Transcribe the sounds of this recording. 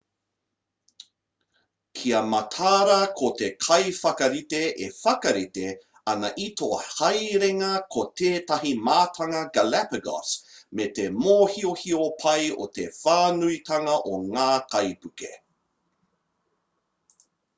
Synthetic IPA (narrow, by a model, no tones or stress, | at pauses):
kʰiɐmɐtʰaːɾɐkʰotekʰɐjfɐkɐɾiteʔefɐkɐɾite | ɐnɐʔitoʔɐhɐjɾeŋɐkʰotʰeːtɐɦimaːtʰɐŋɐɡalapɐɡɔ̰smetemoːhiohiopʰɐjo̰tḛfaːnuitɐŋɐʔoŋaːkɐjpʉkḛ